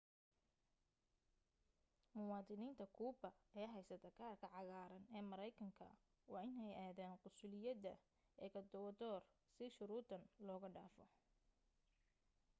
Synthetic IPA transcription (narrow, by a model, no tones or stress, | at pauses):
mʊwɑːd̪ɪniːnt̪ʰɐkʰuːbɐɛːɦɛjsɐt̪ʰɐkʰaːrkʰɐʕɑɣaːɾɐnɛːmɐɾɛjkʰɐŋkʰɐ̰ | wɑːɪnɛjaːðaːnqʊsʊlɪjɐd̪ɐ | ɛːkʰɐd̪ɔwɐd̪ɔːrsɪʃʊɾuːt̪ʰɐnlɔːɣɐɖaːfɔ